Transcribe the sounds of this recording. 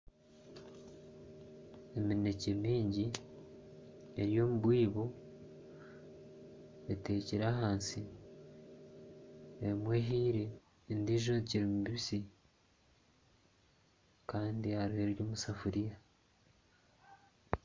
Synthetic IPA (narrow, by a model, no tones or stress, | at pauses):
emine̞ce̞miːɲɟi | e̞ɾjo̞ːmuβwiːβo | ete̞ciɾaɦaːnsi | emwe̞ɦiːɾe | ndiːʒociɾimubiβisi | kaːndihaɾihe̞ɾjo̞ːmusafuɾija